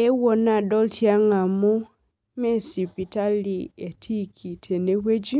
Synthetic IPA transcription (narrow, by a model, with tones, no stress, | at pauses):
ɛ˦wɔ˨na˨dɔ˦ltʰia˦ŋa˨mu˦ | mɛ˦si˨pi˨ta˦lie˨tʰi˦kʰi˨tʰɛ˨ne˦we˦d͡ʒi˦